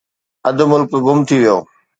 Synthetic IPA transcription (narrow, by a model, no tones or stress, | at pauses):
ɐd̪̆mʊlkɡʊmt̪ʰiʋijo̰ː